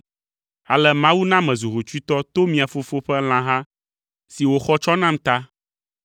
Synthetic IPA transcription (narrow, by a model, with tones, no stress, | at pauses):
a˨lɛ˦mã˦wu˦nã˦mɛ̃˨zu˨ɦo˨t͡ʃu˦i˦t̪ɔ˦t̪o˦mĩ˨a˨fo˦fo˦ɸɛ˦l̃ã˨˦ɦã˦ | si˨wo˨xɔ˦t͡ʃɔ˦nã˦m˦t̪a˦